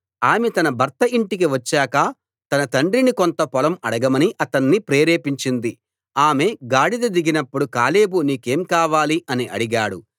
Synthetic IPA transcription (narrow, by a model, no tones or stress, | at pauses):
aːmet̪ɐnɐbʱɐɾt̪ɐiɳʈik̬iʋɐt͡ʃːaːkɐ | t̪ɐnɐt̪ɐɳɖɾinikont̪ɐpɔlɐmɐɽɐɡɐmɐniʔɐt̪ɐnːipɾeːɾe̞ːpiɲt͡ʃind̪i | aːme̞ɡaːɽid̪ɐd̪iɡinɐpːuɽukaːle̞ːbuniːke̞ːmkaːʋaːliʔɐniʔɐɽiɡaːɽu